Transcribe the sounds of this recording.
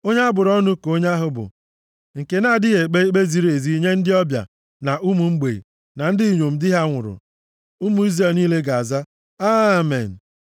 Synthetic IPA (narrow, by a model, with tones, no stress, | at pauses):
o˦ɲa˦a˦bʊ˨ɾɔ˦nʊ˦ko˦ɲa˦ɦʊ˦bʊ̰˨ | ŋ̩˨ke˨na˦˨dɪ˦ɣe˨k͡pe˦k͡pe˦zi˦ɾe˨zi˦ɲe˦n̩˦dɪ˦ɔ˦bja̰˨ | na˨ʔu˦mu˨ŋ͡m̩˦ɡ͡bḛ˨ḭ˨ | na˨n̩˦dɪ˦i˨ɲo˨m̩˨dɪ˦ɦa˦ŋʷʊ̰˨ɾʊ̰˨ | u˦mu˨˦i˦zɛ˨lniː˦le˦ɡa˨a˨za˦ | a˦˨mḛ˨n̩˨